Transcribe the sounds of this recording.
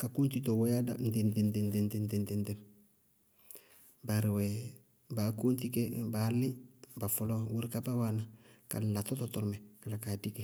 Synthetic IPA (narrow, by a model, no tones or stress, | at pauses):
kakuːntitowojada̰ndendendendendendendendem | baɾwe | bakuːnt̬ikebalibafolowuɾkabawanaka̰latototoɾmekalakadike